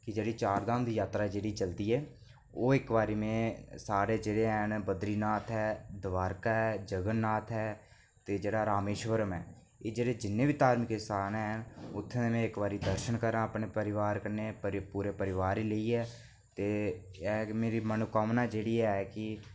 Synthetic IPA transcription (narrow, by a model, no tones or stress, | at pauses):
kɪd͡ʒeːɽiːt͡ʃaːɾd̪aːmd̪iːjaːt̪ɾaːd͡ʒeːɽiːt͡ʃəld̪iːɛː | oːɪkʋaːɾiːmẽːsaːɾeːd͡ʒeːɽeːɛnbəd̪ɾiːnaːt̪ʰɦɛːd̪ʋaːɾkaːɦɛːd͡ʒəɡənːaːt̪ʰɦɛː | t̪eːd͡ʒeːɽaːɾaːmeːʃʋəɾəmɛː | eːd͡ʒeːɽeːd͡ʒɪnːẽːbiːt̪aːɾmɪkɪsaːnɛːɦnʊt̪ʰːenẽːmɛ̃ːɪkʋaːɾiːd̪əɾʃənkəɾãːapɳeːpəɾɪʋaːɾkəneːpɾpuːɾeːpəɾɪʋaːɾiːləiːɛː | t̪eːɛːmeːɾiːmənʊkaːmnaːd͡ʒeːɽiːɛkɪ